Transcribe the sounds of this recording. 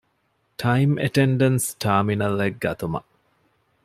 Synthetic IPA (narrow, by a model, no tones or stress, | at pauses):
ʈʰɐimʔḛʈeɳɖɐnsʈʰaːminɐleɡ̚ɡɐt̪umɐ̰